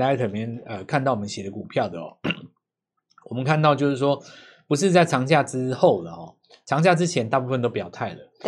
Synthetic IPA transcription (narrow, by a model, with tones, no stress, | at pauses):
la˧˥ɪt̪ʰə˨˩mjɛ˧˥nə˨˧kʰa˥˧nt̪ɑ˥˩ʊwɔ˨˩ə˦nɕjɛ˨˩d̪ə˦ku˨˩pʰjɑ˥˩ʊd̪ə˩ɔ̰˨˩ | wɔ˨mə˦nkʰa˥˧nt̪ɑ˥˧ʊt͡ɕjo˥˧ʊʂɻ̩˥˩ʂwɔ˥ | pu˧˥ʂ̬ɻ̩˥˧t͡sa˥˩ɪʈ͡ʂʰɑ˧˥ŋt͡ɕja˥˩ʈ͡ʂɻ̩˥xo˥˨˩ʊlə˩ɔ˨˩ | ʈ͡ʂʰɑ˧˥ŋt͡ɕja˥˧˩ʈ͡ʂɻ̩˥t͡ɕʰjɛ˧˥nt̪a˥˧pu˥˧fə˨nt̪o˥ʊpjɑ˨˩ʊt̪ʰa˥˩ɪlə˩